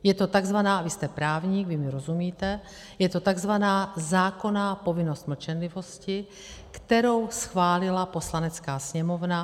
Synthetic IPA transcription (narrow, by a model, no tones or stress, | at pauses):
jɛt̪o̞t̪aɡzvanaːvɪst̪ɛpɾaːvɲiɡvɪmɪɾo̞zumiːt̪ɛ | jɛt̪o̞t̪aɡzvanaːzaːko̞naːpo̞vɪno̞st̪ml̩t͡ʃɛnlɪvo̞scɪ | kt̪ɛɾo̞wsxvaːlɪlapo̞slanɛt͡skaːsɲɛmo̞vna